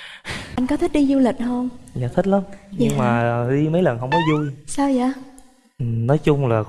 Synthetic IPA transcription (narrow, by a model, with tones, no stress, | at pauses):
ʔa˧jŋkɔ˨˦t̪ʰi˦˥ɗi˧zu˧lï˨˩k̟̚ɦə˧ŋ͡mjaː˨˩t̪ʰi˦˥k̚laː˨˦mɲɨ˧ŋmaː˨˩ɗi˧mə˨˦jlə˨˩nɦə˧wŋ͡mkɔ˨˦zu˧jsaː˧wzaː˧˨˦ | ʔɨ˨˩nɔ˨˦jt͡ɕʊ˧ŋ͡mlaː˨˩